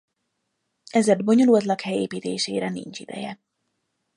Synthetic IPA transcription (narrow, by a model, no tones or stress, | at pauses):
ɛzɛd̪̚bo̞ɲo̞lult̪lɒkhɛjeːpiːt̪eːʃḛːɾɛnḭnt͡ʃid̪ɛ̰jɛ